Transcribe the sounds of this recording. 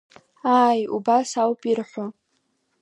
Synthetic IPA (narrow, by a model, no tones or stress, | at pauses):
aːjṵbasawpʼirħʷʊ